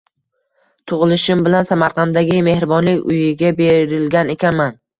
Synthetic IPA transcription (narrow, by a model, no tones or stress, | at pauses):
t̪ʰʊʁɨlˠɪʃɪmbɪlansamaɾqʰɑnd̪aɡʲɪme̞hɾɪbɒnlɪkʲʊjɪɡʲabeɾɪlɡʲane̞kʲʰanman